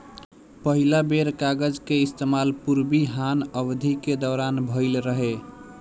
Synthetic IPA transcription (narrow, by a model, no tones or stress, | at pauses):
pəɦilabeɾkaɡəd͡ʒkeist̪emalpuɾbiɦanəbd̪ʱiked̪ɔːɾanbʱəɪlɾəɦe